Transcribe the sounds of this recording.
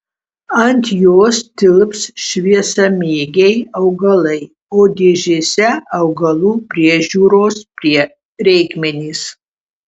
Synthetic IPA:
antʰjosdɨlɨpʰsʃviɛsɐmiɡʲejawɡɐlej | odeʒesɛːwɡɐlubriɛʒuɾospriɛ | rejɡmenis

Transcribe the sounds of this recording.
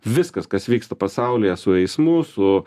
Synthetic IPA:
ʋʲɪskɐskɐsʋʲiːkst̪ɐpɐsɑʊlʲɪjɛsʊɛɪsmʊsʊ

